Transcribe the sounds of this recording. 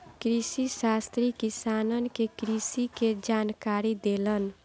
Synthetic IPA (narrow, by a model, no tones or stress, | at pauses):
kɾisisast̪ɾikisaːnənkekɾisiked͡ʒaːnkaːɾid̪elən